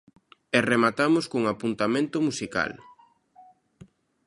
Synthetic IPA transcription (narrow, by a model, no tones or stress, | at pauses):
ɛremat̪amʊskoŋapunt̪amẽnt̪ʊmusika̰l